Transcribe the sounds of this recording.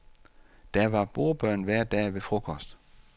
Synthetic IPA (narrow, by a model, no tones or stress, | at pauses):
d̥æɐʋɑ̈b̥o̝ːɐb̥ɶɐ̰nʋæɐ̰d̥ɛ̰ːʋe̝fʁo̝kʰɒ̽sd̥